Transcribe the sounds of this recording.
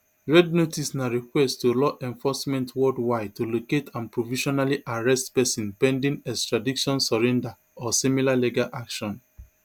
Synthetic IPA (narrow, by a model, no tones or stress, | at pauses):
ɹɛdnotisnaɹikwɛsttulɔʔɛ̃ɱfɔsmɛ̃ntʰwɔdwaɪtuloketʰãnpɹoviʃɔnaliʔaɹɛstpɛsĩnpɛ̃ndĩnɛkstɹadiʃɔ̃nsɔɹɛ̃nda | ɔsimilaleɡaʔakʃɔ̃n